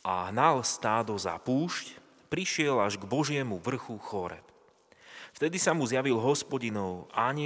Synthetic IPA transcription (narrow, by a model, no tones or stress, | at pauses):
ʔaɦnalst̪aːd̪ɔza̰puːʃc | pɾiʃɪɛlaʒɡbɔʒɪɛmuʋr̩xuxɔɾɛ̰p | ft̪ɛd̪isamuzjaʋilɦɔspɔɟinɔʊaːɲɪ